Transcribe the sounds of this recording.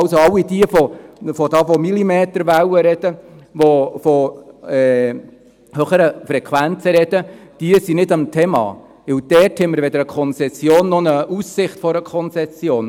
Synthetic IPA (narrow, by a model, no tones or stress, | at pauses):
ʊsoɑlːid̥iəfofɔd̥̪ɑːfomilimeːt̪əɾʋæwəɾɛd̥əʋofoɛː | høχəɾəfɾɛkʰʋænt͡səɾɛd̥əd̥iəsinɪdɑmt̪ʰɛmɑ̰ː | ʋɪwd̥ɛɾthɛmːəɾved̪əɾəkʰɔnt͡sɛsjoːnːɔnəusːɪχtfɔɾəkʰɔnt͡sɛsjoːn